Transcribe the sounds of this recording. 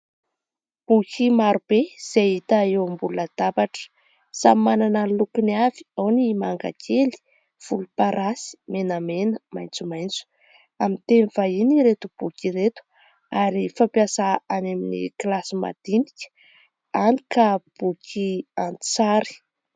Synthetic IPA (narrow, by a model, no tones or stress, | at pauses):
b̥ukʲʰimaɾub̥ez̥eit̪aewmbuluəd̪̥abaʈ͡ʂə̥ | samimananəlukuniavi̥awnimaŋɡa̰kʰeli̥ | v̥ulupaɾʔasi̥menəmenəmajnt͡sumajnt͡su̥ | amit̪eniv̥ainiɾet̪ub̥ukʲiɾet̪u̥ | aɾifampiasaaneminḭklasima̰d̪̥inikʲə̥ | anikab̥ukʲʰiant͡saɾi̥